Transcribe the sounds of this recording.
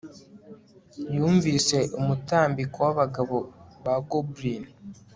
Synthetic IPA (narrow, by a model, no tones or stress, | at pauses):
juːɱvise̞ʔumutaːmbikowaβaɡaβo̞βaɡobɾin